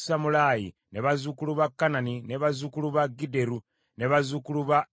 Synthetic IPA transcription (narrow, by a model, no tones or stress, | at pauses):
samulajḭ | neβazukuluβakːananineβazukuluβaɡide̞ɾu | ne̞βazukuluβa